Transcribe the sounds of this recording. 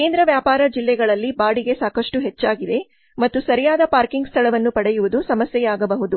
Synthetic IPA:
keːnd̪ɾɐʋjaːpaːɾɐd͡ʒilːɛɡɐɭɐlːibaːɽiɡe̞saːkɐʂʈuɦet͡ʃːaːɡid̪e̞ | mɐt̪ːusɐɾijaːd̪ɐpaːɾkiŋɡst̪ʰɐɭɐʋɐnːupɐɽɛjuʋud̪usɐmɐsjɛjaːɡɐbɐɦud̪u

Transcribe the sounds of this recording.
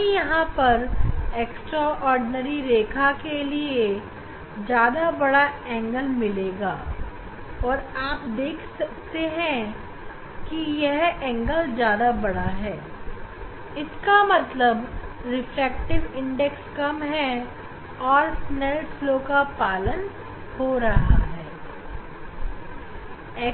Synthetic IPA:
jɐɦãpɐɾeːksʈɾaʔɔːɾɖɪnəɾiɾeːkʰakelie | d͡ʒjaːd̪abɐɽaɛ̃ːŋɡəlmɪleːɡaː | ɔːɾaːpd̪eːkʰsɐk̚t̪eɦɛ̃ | kijɛɦɛ̃ːŋɡəld͡ʒjaːd̪abɐɽaɦɛː | ɪskamɐt̪ləbɾɪfɾɛːk̚ʈɪʋɪ̃ɳɖɛkskɐmɦɛ | ɔːɾsnɛɾʈfloːkapaːlən | hoɾɐɦa̰ɦɛː | ɛː

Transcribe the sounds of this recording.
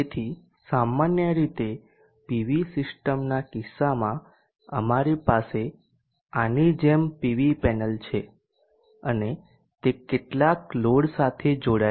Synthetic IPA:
et̪ʰi | samːanjəɾit̪e | piʋisɪsʈəmnakisːamã | ə̰maɾipase | anid͡ʒempiʋipɛnəlt͡ʃʰe | əne | t̪ekeʈlakloɽsat̪ʰed͡ʒoɽa

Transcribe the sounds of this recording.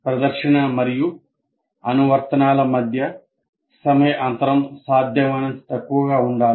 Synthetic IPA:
pɾɐd̪ɐkʂiɳɐmɐɾiju | ɐnuʋɐɾt̪ɐnaːlɐmɐd̪ʱjɐ | sɐmɐjɐʔɐnt̪ɐɾɐmsaːd̪ʱjɐmɐnɐnt̪i̥t̪ɐkːuʋɐɡaːuɳɖaːl

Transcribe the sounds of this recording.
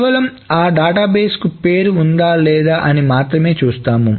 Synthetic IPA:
ʋɐlɐm | aːɖaːʈaːbeːskupe̞ːɾuːnd̪aːlɛːd̪aːʔɐnimaːt̪ɾɐme̞ːt͡ʃuːst̪aːmu

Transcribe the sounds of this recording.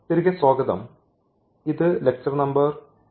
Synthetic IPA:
t̪iɾiɣʲɐsoːɡɐðɐ̰m | iðɨlek̚sɐʋnɐmbɐr

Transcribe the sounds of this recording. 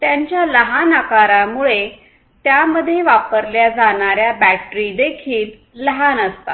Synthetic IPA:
t̪jaɲt͡ɕjaləɦanakaɾamuɭe | t̪jaməd̪ʱːjeʋapəɾljad͡zaɳaɾjabæʈɾid̪ekʰiːlː | əɦanəst̪a̰

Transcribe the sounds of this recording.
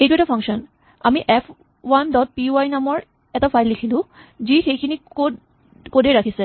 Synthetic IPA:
ejʈuɛkʈafʰaŋʃɔn | amiʔɛf | wanɖɔt̚piuajnamɔɾ | ɛt̪afajlːikʰilud͡ʑiʈʰejkʰinio | koɖeɾakʰisʰe

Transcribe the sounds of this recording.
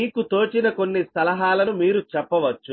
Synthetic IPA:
iːkut̪o̞ːt͡ʃinɐko̞nːist̪ɐlɐɦaːlɐnumiːɾut͡ʃɛpːɐʋɐt͡ʃːu

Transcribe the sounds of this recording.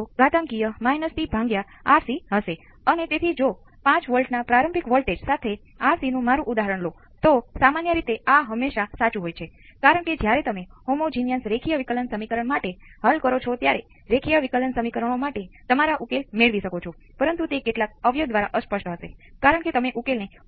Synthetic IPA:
oɡat̪əŋkijəmajnəst̪ibʱãŋɡja | aɾsiɦəʃe | ənet̪et̪ʰid͡ʒo | pãt͡ʃʋəlʈnapɾaɾəmpikʋəlʈed͡ʒsat̪ʰe | aɾsinũmaɾũʔud̪aɦəɾəɳlo | t̪osamanjəɾit̪eaɦəmːeʃasat͡ʃuɦojt͡ʃʰekaɾəɳ̃ked͡ʒjaɾet̪əmehomod͡ʒinjənsɾekʰijəʋikələnsəmikəɾəɳmaʈeɦalkəɾot͡ʃʰot̪jaɾe | ɾekʰijəʋikələnsəmikəɾəɳ̃omaʈet̪əmaɾaʔukelmeɭʋiʃəkot͡ʃʰo | pəɾənt̪ut̪ekeʈlak̚əʋjoɡ̚d̪ʋaɾaʔəspəʃʈɦəsḛkaɾəɳket̪əmeʔukelne

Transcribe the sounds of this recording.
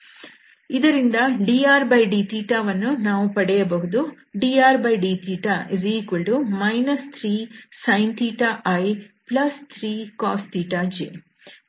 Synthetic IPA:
id̪ɐɾind̪ɐɖiːaːɾbɐjɖiːt̪iːʈaːʋɐnːunaːʋupɐɽɛjɐbɐɦud̪u | ɖiːaːɾbɐjɖiːt̪ʰiːʈaziːkuɭɖumɐjnɐst̪ʰɾiːsɐjnt̪iːʈaːʔɐjplɐst̪ʰɾiːkaːsʈ̪iːʈaːd͡ʒḛ

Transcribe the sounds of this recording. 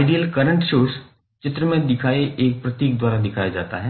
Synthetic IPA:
aɪɖijəlkɐɾə̃ɳʈʃoːɾs | t͡ʃɪt̪ɾəmẽd̪ɪkʰaːeʔeːk̚pɾɐt̪iːk̚d̪waːɾad̪ɪkʰaːjad͡ʒa̰ːt̪aɦɛː

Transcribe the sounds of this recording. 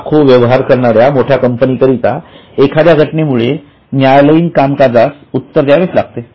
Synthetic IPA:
kʰoʋjəʋɦaɾkəɾɳ̃aɾjamoʈʰjakəmpənikəɾit̪a̰ekʰad̪jaɡʱəʈnemuɭe | njajləiːnkamkad͡zas | ut̪ːəɾd̪jaʋeslaɡ̚t̪e

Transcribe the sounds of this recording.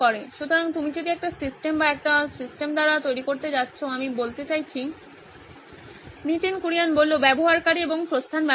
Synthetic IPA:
ɔɾeʃut̪oɾaŋt̪umit͡ɕod̪iɛk̚ʈasisʈembaɛk̚ʈasisʈemd̪aɾat̪ojɾikoɾt̪ed͡ʑatːɕʰoamibolt̪et͡ɕajt͡ɕʰi | niʈinkuɾijanbolːobɛboɦaɾkaɾieboŋpɾost̪ʰanba

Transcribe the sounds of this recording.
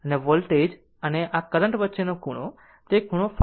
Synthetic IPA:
əneʋolʈed͡ʒ | əneʔakəɾəɳʈʋətːʃenokuɽ̃õ̰ | t̪ekuɽ̃õf

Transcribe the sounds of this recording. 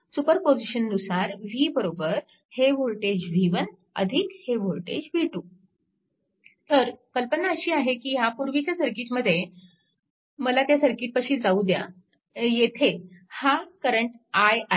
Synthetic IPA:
supəɾpod͡ʑiɕənːusaɾʋiːbəɾobəɾ | heʋolʈed͡ʑʋiʋən | ə̰d̪ʱikheʋoɭʈḛd͡ʑʋʱiʈu | t̪əɾkəlpənaəɕiːaɦekiːɦapuɾʋit͡ɕjasəɾkiːt͡ɕməd̪ʱːje | məlat̪jasəɾkiːʈ̪̚pəɕiːd͡zaud̪ja̰ | jet̪ʰehakəɾəɳʈaj

